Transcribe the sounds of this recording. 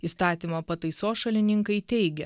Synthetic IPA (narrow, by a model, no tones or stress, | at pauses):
iːst̪ɑːt̪ʲiːmɐpɐt̪ɐɪsoːsʃɐlʲɪnʲɪŋkɐɪt̪ʲɛɪɡʲɛ